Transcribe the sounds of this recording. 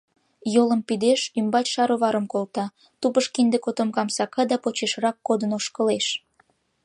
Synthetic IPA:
joləmpid̪eʃymbɑtʲʃɑɾoβɑɾəmkolt̪ɑ | t̪upəʃkind̪ekot̪omkɑmsɑkɑd̪ɑpot͡ɕeʃrɑkːod̪ənoʃkəleʃ

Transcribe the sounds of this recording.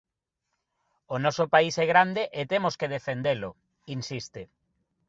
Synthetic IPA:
onɔsopaisɛɣ̞ɾand̪eʔet̪emoskeð̞efend̪elo | insist̪e

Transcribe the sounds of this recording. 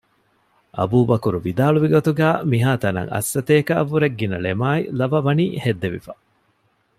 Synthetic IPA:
ʔɐ̰buːbɐkuɾuʋid̪aːluʋiɡot̪uɡæːmiɦaːt̪ɐnɐ̰ŋɐ̰sːɐt̪eːkɐʔɐʋːuɾeɡːinɐlemaːilɐʋɐʋɐniːhed̪ːeʋḭfɐ

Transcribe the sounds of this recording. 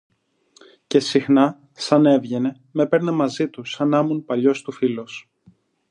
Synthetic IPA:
ce̞sixnɐ | sɐne̞vʝe̞ne̞ | me̞pe̞ɾne̞mɐzit̪usɐnɐmunpɐʎo̞st̪ufilo̞s

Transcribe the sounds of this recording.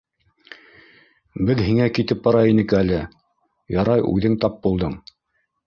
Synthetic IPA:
bɘðɦiŋækit̪ɘp̚bɑɾɑjinɘkælɘ | jɑɾɑjʉ̰ðɘŋt̪ɑp̚bulˠd̪ɤɴ

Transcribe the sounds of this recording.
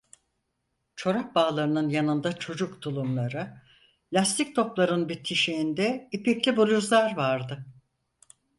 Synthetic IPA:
t͡ʃʰo̞ɾak̚baːlˠaɾɯnɯnjanɯnd̪at͡ʃʰo̞d͡ʒukt̪ʰulˠumlˠaɾɯ | lʲast̪ʰik̚t̪ʰo̞plˠaɾɯnbit̪ʰːiʃiːnd̪ɛipiclʲibolʲuzlˠaɾvaɾd̪ɯ

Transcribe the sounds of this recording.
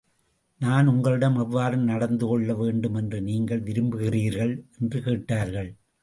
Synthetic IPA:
naːnʊŋɡɐɭɯɽɐmɛʋːaːɾɯmnɐɽɐnd̪ɯkɔɭːɐʋeːɳɖɯmɛndrɯniːŋɡɐɭʋɪɾɯmbɯɣɪriːɾɣɐɭɛndrɯkeːʈːaːɾɣɐɭ

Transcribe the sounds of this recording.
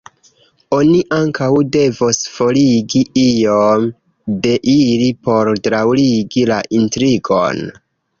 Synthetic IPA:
o̞niʔaŋkawde̞vosfo̞liɡiijom | de̞ʔilipo̞ɾdɾawliɡilaʔintɾiɡo̞̰n

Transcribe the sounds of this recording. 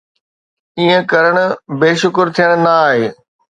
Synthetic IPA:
iːə̃kɐɾəɽ̃ʊ̆beːʃʊkɾt̪ʰijəɽ̃naːɦeː

